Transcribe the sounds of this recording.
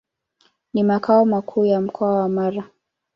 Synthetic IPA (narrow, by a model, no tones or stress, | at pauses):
nimakaɔmakʰuːjam̩kʰɔawamaɾa